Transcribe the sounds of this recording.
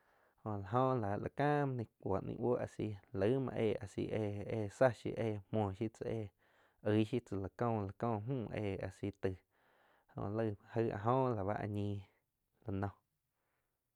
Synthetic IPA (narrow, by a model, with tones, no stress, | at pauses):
hõ˧˨la˨ɦõ˦la˨lʔa˨kãː˦m˧nĩ˧kʷo˨ʔnḭ̃˧ʔwo˦ʔa˨si˧lə˨˦mã̰˧ʔeː˧˨a˨sḭ˧ʔeː˧˨eː˧˨sa˦ʃḭ˧˦ʔeː˦˧˨mmwɔ̃ː˧˨ʃi˦t͡sa˧ʔeː˧˨ | ə˧˦ʃi˦t͡sɨ˨la˨kõ˧˨la˨kɔ̃ː˦˧˨ɦũː˦˨˧ʔeː˧˨a̰˨si˧˦t̪ɨ˧˨ | hõ̰˧˨ʔlə˧hə˧a̰˧ɦõ˦la˨βa˦ʔa̰˧ɲĩː˧ | la˧˨nɔ̃˧